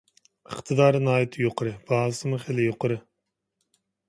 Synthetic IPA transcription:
əqt̪ʰɨd̪ɑɾɨnɑːjit̪ʰɨjoqʰəɾɨb̥ɑːlˠɨsɨmuχelɪjoqʰəɾɨ

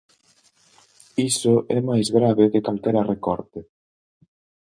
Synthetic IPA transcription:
isʊʔɛmajzɣɾaβekɪkalkɛɾarekɔ̰ɾt̪ɪ

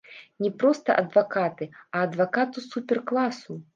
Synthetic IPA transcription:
nʲɛpɾɔst̪ɐ̰ʔɐd̪vakat̪ɨɐːd̪vakat̪usupʲɛrklˠasu

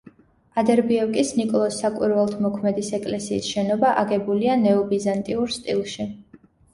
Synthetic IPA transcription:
ad̪ɛɾbiɛkʼisnikʼɔlˠɔsːakʼwḭɾvɛlˠt̪ʰmɔkʰmɛd̪isɛkʼlɛsḭːsʃɛnɔbaʔaɡɛbulianɛɔbizant̪ʼiuɾst̪ʼḭlˠʃi

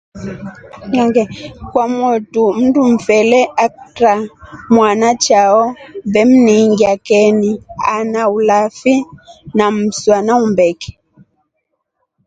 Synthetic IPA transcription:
ɲɔŋɡɛkwamwɔtum̩dum̩fɛlɛʔaktɾamwanat͡ʃaɔbɛm̩niŋɡiakɛnianaulafinam̩swanaumbɛkɛ̥

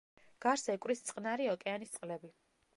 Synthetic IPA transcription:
ɡ̥aɾsɛkʼwɾist̪sʼqʼnaɾiɔkʼɛanist̪sʼqʼlɛbi

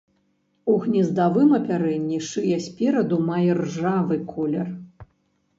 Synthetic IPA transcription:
uɣnʲizd̪avɨmɐpʲaɾɛnʲːiʂɨjɛsʲpʲɛɾɐd̪umajɛrʐavɨkʰɔlʲɛr

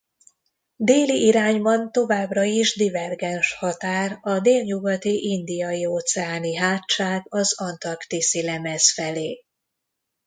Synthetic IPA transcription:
d̪eːliʔiɾaːɲbɒnt̪o̞vaːbrɒiʒd̪ivɛrɡɛnʃhɒt̪aːrɒd̪eːlɲuɡɒt̪iʔind̪ijɒjioːt̪sɛaːniɦaːtt͡ʃaːɡɒzɒnt̪ɒrkt̪isilɛmɛzfɛleː

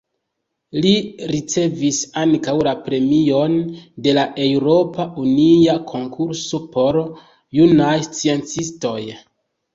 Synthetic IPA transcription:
liɾit͡se̞visaŋkawlapɾe̞mio̞nde̞laʔe̞wɾo̞paʔuniakʰo̞ŋkʰuɾso̞po̞ɾ | junajst͡sient͡sisto̞j

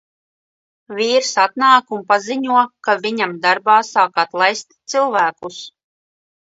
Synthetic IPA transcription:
vʲiːɾsat̪naːkunpaziɲuɔkavʲiɲamd̪aɾbaːsaːkat̪lˠajst̪t̪sɨlˠvæːkus

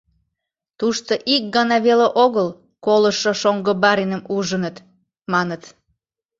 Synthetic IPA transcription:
t̪uʃt̪oʔik̚ɡɑnɑβeleʔoɣəl | koləʃoʃoŋɡəbɑɾinəmuʒənət̪ | mɑnət̪

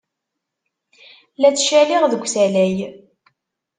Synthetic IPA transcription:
læt͡sːʃæliʁðəɡʷsælæj

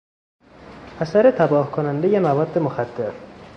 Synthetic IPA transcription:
ʔæsæɾet̪ʰæbɒːhkʰonænd̪ejemævɒːd̪ːemoxæd̪̥ːeɾ

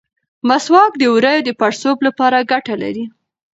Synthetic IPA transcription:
maswɑk̚d̪əwuɾajod̪əpaɾsoblapɑɾaɡaʈala̰ɾi

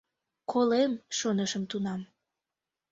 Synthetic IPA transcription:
kʰolemʃonəʃəmt̪unɑm

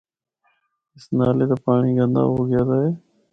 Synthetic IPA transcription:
ɪsnaːleːt̪aːpaːɳiːɡə̃nd̪a̰ːɦoːɡɪjaːd̪aːɦeː

